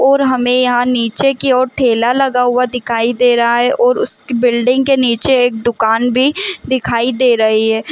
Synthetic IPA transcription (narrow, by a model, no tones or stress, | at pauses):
ɔːɾɦɐmẽjɐɦãniːt͡ʃekeɔːɾʈʰeːlalɐɡaɦʊad̪ɪkʰaːid̪eːɾɐɦaɦɛʔɔːɾʊskibɪlɖɪ̃ŋɡkeniːt͡ʃeeːk̚d̪ʊkaːnbʱid̪ɪkʰaːid̪eːɾɐɦiɦɛː